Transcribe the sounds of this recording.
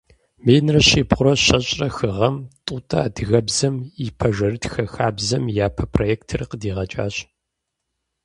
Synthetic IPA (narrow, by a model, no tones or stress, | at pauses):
meːnɨrɐɕiːbχʷʊɾɐɕɐɕʼrɐxɨʁɐmtʼuːtʼɐ̰ːdɨɣɐbzɐmipʰɐʒɐrɨtxɐxaːbzɐmjaːpʰɐpʰrojeːktʰɨrqədiːʁɐt͡ʃʼa̰ːɕʼ